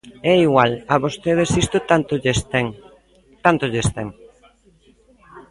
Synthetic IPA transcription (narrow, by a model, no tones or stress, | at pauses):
ɛiɣwalaβost̪eð̞esist̪ot̪oeseŋ | t̪ant̪oʎest̪ɛŋ